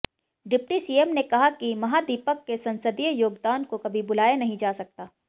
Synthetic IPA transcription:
ɖɪp̚ʈisiːemnekɐɦakimɐɦad̪ipəkːesɐ̃nsəd̪ijəjoːɡd̪aːnkokɐbʱibʊlaːjenɐɦĩd͡ʒaːsɐk̚t̪aː

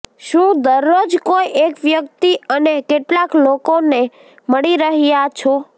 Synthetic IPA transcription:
ʃũd̪əɾːod͡ʒkojʔekʋjək̚t̪iənekeʈlaklokone | məɭiɾəɦijat͡ʃʰo

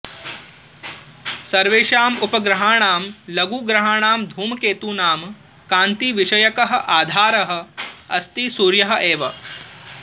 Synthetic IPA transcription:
sɐɾʋeːʂaːmupɐɡɾɐɦaːɳaːmlɐɡuːɡɾɐɦaːɳaːmd̪ʱuːmɐkeːt̪uːnaːm | kaːnt̪iʋiʃɐjɐkɐɦɐ̆ʔaːd̪ʱaːɾɐɦɐ̆ɐst̪isuːɾjɐɦɐ̆ʔeːʋɐ

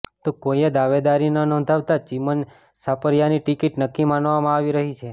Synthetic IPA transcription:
t̪okojad̪aʋed̪aɾinanɔ̃nd̪ʱaʋt̪at͡ʃimən | sapəɾjaniʈikiʈnəkːimanʋamãaʋiɾəɦit͡ʃʰe

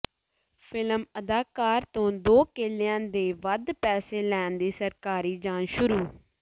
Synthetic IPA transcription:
pʰɪləməd̪aːkaːɾt̪õːd̪oːkeːlɪjãːd̪eːʋəd̪pɛːseːlɛːnd̪iːsəɾkaːɾiːd͡ʒaːnʃʊɾuː

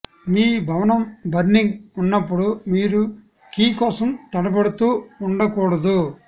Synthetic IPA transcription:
miːbʱɐʋɐnɐmbʱɐɾniŋɡunːɐpːuɽumiːɾu | kiːkɔːsɐmt̪ɐɽɐbɐɽut̪uːuɳɖɐkɔːɽɐd̪u

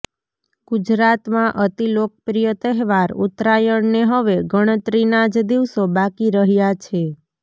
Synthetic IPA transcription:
ɡ̥ud͡ʒɾat̪mãʔət̪ilok̚pɾijət̪əɦʋaɾṵt̪ɾajəɳneɦəʋeɡəɽ̃ət̪ɾinad͡ʒd̪iʋsobakiɾəɦjat͡ʃʰe

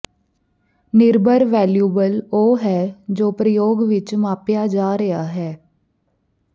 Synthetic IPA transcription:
nɪɾbʱəɾʋɛːljuːbəloːɦɛːd͡ʒoːpɾəjoːɡʋɪt͡ʃmãːpjaːd͡ʒaːɾəaːɦɛː

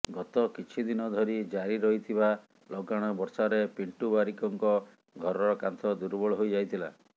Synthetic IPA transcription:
ɡɔt̪ɔkit͡ʃʰid̪inɔd̪ʱɔɾid͡ʒaɾiɾɔɦit̪ʰiba | lɔɡaɽ̃ɔbɔɾsaɾepiɳʈubaɾikɔŋkɔ | ɡʱɔɾɔɾɔkant̪ʰɔd̪uɾbɔɭɔɦojd͡ʒajt̪ʰila

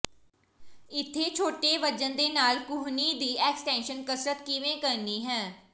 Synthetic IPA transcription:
ɪt̪ʰːeːt͡ʃʰoːʈeːʋəd͡ʒənd̪eːnaːlkʊɦniːd̪iːɛːksʈɛ̃ːnʃənkəsɾət̪kɪʋẽːkəɾniːɦɛ̃ː

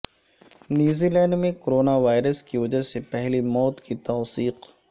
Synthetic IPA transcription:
njuːzilɛ̃ːɳɖmẽkoɾoːnaʋaːɪɾəskiʋɐd͡ʒasepɛɦlimɔːt̪kit̪ɔːsiːq

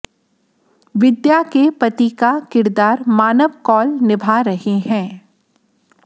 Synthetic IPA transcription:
ʋɪd̪jakepɐt̪ikakɪɾd̪aːɾmaːnəʋkɔːlnɪbʱaɾɐɦeɦɛ̃ː

